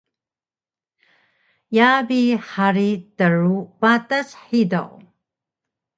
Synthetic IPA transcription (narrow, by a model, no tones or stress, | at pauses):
jabiħaɾitəɻupatasħidaʔ